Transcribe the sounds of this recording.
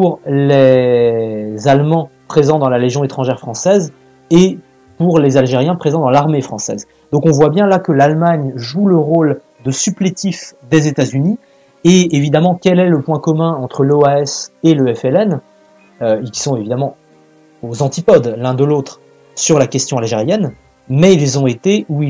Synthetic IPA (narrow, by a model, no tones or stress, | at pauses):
puʁle | zalmɑ̃ | pχezɑ̃d̪ɑ̃laleʒjɔ̃et̪χɑ̃ʒɛʁfχɑ̃sɛz | e | puʁlezalʒeʁjɛ̃pχezɑ̃d̪ɑ̃laʁmefχɑ̃sɛ̰z | d̪ɔ̃kɔ̃vwabjɛ̃lakəlalmaɲʒuləʁol | d̪əsyplet̪ifd̪ezet̪azyni | eevid̪amɑ̃kʲɛlɛləpwɛ̃kɔmɛ̃ɑ̃t̪χəloaɛseləɛfɛlɛn | øekʲi̥sɔ̃evid̪amɑ̃ | ozɑ̃t̪ipɔd̪lɛ̃d̪əlot̪χ | syʁlakʲɛst̪jɔ̃alʒeʁjɛn | mɛilzɔ̃et̪eʔui